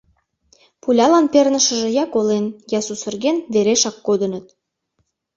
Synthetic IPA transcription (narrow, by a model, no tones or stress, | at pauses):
pulʲɑlɑnpernəʃə̆ʒĕjɑkolenjɑsusə̆rɣenveɾeʃɑkːod̪ə̆nə̆t̪̚